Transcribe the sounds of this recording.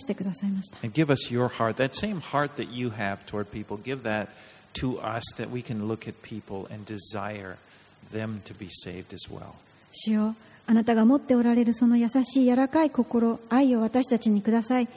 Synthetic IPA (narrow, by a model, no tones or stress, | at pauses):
ɕi̥t̪e̞kɯ̟d̪asaimaɕi̥t̪aɨ̃nɡɪvʌsjə˞hɑɹt̪̚ðɨtsẽɪ̃mhɑɹt̪̚ðɨt͡ʃɨɨv̥tʰɔɹd̚pʰipl̩ˠɡɪvðɨtʰː | əʌ̰sðɨ̰ʔ̚wikʰɨ̃nlʊkʰɨt̚pʰipl̩ˠɨ̰̃ndɨza̰ɪə̰˞ | ðɛ̃mtʰɨbiseɪvdɨzwɛ̰lˠ | ɕɨjo̞ | anat̪aɡamo̞t̪ːe̞o̞ɾaɾe̞ɾɯ̟so̞no̞jasaɕiːjaɾakaiko̞ko̞ɾo̞aio̞βat̪aɕi̥t̪at͡ɕiɲ̟ikɯ̟d̪asai